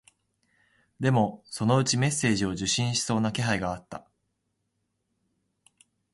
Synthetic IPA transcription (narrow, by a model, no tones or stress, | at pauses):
d̪e̞mo̞so̞no̞ɯ̟t͡ɕime̞sːe̞ːʑio̞ʑɨɕĩɰ̃ɕi̥so̞ːnake̞ɦaiɡaːt̪ːa̰